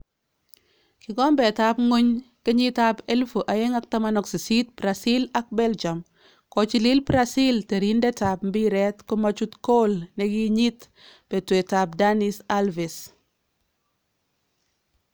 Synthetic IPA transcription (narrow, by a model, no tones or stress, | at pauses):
kɪɡɔmbɛtapŋoɲkɪɲitapelfuʔajɛŋak̚tamanɔksisit̚bɾasilak̚bɛld͡ʒam | kɔt͡ʃililbɾasilteɾindɛtapm̩biɾɛtkʊmat͡ʃutkolnekiɲit | b̥ɛtwɛtap̚danisalvis